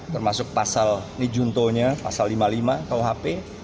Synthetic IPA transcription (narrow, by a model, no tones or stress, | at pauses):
t̪ərmasʊk̚pasalnid͡ʒunt̪oɲapasalːimalimakawɦape